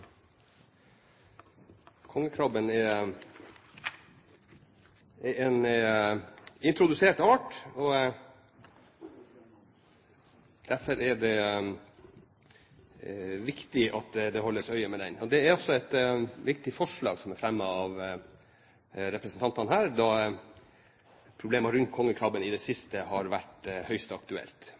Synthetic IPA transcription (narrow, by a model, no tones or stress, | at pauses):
kʰɔŋːəkʰɾɔbənɛɾ | ɛɛn | ɪnt̪ʰɾʊd̪ʉseːʈɑːʈɔ | d̪̥æfɔɾɛɖɛ | ʋɪkt̪ɪʔɑt̪d̪ɛhɔlːəsœʏəmɛd̪ɛnɔd̪ɛæɾɔsːɔɛt̪ʋɪkt̪ɪfɔʂɭɑ̰ːɡsɔmæɾfɾɛmːəɑʋ | ɾɛpɾəsənt̪ɑnt̪ɑnhæːɾd̪ɑ | pʰɾʊbleːmɑɾʉnt̪̚kʰɔŋːəkʰɾɑbənɪd̪ɛsɪst̪əhɑɾʋæʈhœʏst̪ɑkt̪ʉɛ̰lt̪